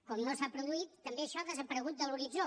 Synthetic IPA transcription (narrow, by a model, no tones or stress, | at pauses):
kɔmnosapɾuðuit̪ːəmbeəʃɔaðəzəpəɾəɣ̞ut̪̚d̪əluɾid͡zo